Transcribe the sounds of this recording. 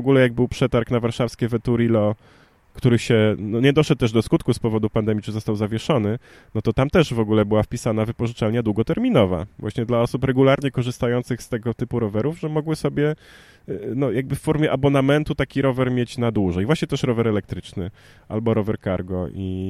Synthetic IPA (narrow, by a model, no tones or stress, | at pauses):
ɔɡulɛjaɡ̚bɘwpʂɛt̪aɾknavaɾʂafskʲɛvɛt̪uɾilɔ | kt̪uɾɘɕɛnɔɲɛd̪ɔʂɛt̪̚ːɛʐd̪ɔskut̪kuspɔvɔd̪upand̪ɛmʲit͡ʂɨzɔst̪awzavʲjɛʂɔnɘ | nɔt̪ɔt̪amt̪ɛʐvɔɡulɛbɘwafpʲisanavɘpɔʐɨt͡ʂalɲad̪wuɡɔt̪ɛɾmʲinɔva̰vwa̰ɕɲɛd̪laɔsupɾɛɡulaɾɲɛkɔʐɘst̪ajɔnt̪sɘxst̪ɛɡɔt̪ɘpuɾɔvɛɾuvʐɛmɔɡwɘsɔbʲjɛ | nɔjaɡ̚bɘfːɔɾmʲjɛʔabɔnamɛnt̪ut̪akʲiɾɔvɛɾmʲjet͡ɕnad̪wuʐɛjvwaɕɲɛt̪ɛʂɾɔvɛɾɛlɛk̚t̪ɾɘt͡ʂnɘ | ʔa̰lbɔɾɔvɛɾkaɾɡɔʔi